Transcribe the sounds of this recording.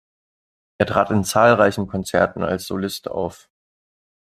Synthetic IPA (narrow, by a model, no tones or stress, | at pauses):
ʔeːɐtʁ̥aːtɪnt͡saːlʁaɪçn̩kʰɔnt͡sɛɐtn̩a̰lsz̥o̰lɪsta̰ʊf